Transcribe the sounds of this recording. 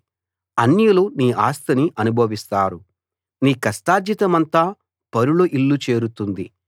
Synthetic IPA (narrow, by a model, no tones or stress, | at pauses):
ɐnjuluniːʔaːst̪ɐniʔɐnubʱɐʋist̪aːɾu | niːkɐsʈaːd͡ʒ̪jit̪ɐmɐnt̪aː | pɐɾuɭoʔilːut͡ʃe̞ːɾut̪und̪i